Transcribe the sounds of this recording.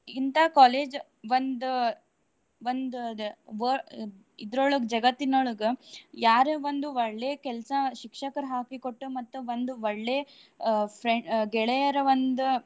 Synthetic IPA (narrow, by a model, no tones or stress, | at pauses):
int̪ɐkaːleːd͡ʒ | ʋond̪u | ʋond̪uʋo | id̪ɾoɭuɡd͡ʒɐɡɐt̪ːinoɭuɡejaːɾeʋond̪uʋɐɭːeːkɛlsɐʃikʂɐkɐɾɦaːkikoʈːumɐt̪ːuʋond̪uʋɐɭːeː | pʰɾeɡɛɭejɐɾɐʋond̪u